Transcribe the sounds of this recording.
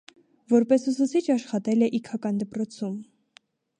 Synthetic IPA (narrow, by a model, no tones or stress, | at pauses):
vɔɾpɛsusut͡sʰit͡ʃʰɑʃχɑt̪ɛlɛʔikʰɑkɑnd̪əpɾɔt͡sʰum